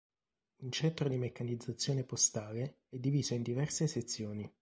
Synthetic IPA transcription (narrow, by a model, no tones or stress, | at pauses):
unt͡ʃɛnt̪ɾod̪imekːanid̪zːat̪sːjoːnepost̪aːle | ɛd̪ːiviːzoind̪ivɛrseset̪sːjoːni